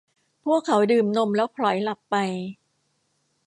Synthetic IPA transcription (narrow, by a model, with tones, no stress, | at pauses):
pʰu˥˩əkʰːa˩˦wdɯː˨˩mno˧mlɛː˦˥wpʰlɔ˩˦jla˨˩pːa˧j